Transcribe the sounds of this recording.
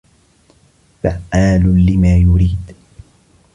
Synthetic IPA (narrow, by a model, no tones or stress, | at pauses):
faʔaːlʊlɪmaːjʊɾiːd̪